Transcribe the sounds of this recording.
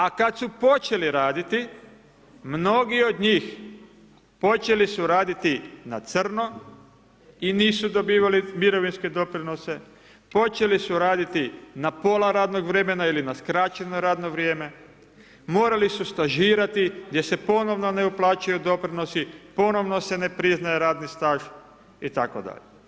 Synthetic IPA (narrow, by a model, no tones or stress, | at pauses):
akad̪supo̞t͡ʃe̞liɾaːd̪it̪i | mno̞ɡio̞d̪ɲiːx | po̞t͡ʃe̞lisuɾaːd̪it̪inat̪sr̩no̞ | iniːsud̪o̞biːʋalimiɾo̞ʋinske̞d̪o̞pɾino̞se̞ | po̞t͡ɕe̞lisuɾaːd̪it̪inapo̞laɾaːd̪no̞ɡʋɾe̞me̞nailinaskɾat͡ɕenoɾaːd̪no̞ʋɾjeːme | mo̞ːɾalisust̪aʒiːɾat̪iɡd̪je̞se̞po̞no̞ʋno̞ne̞uplˠaːt͡ʃajud̪o̞pɾino̞sipo̞no̞ʋno̞se̞ne̞pɾiznajeɾaːd̪nist̪aːʒ | it̪akod̪a̰ʎe